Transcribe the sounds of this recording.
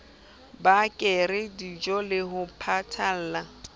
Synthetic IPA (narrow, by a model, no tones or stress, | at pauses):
bakʼɪrɪdid͡ʒɔlɪɦʊpʰatʰal̩ːla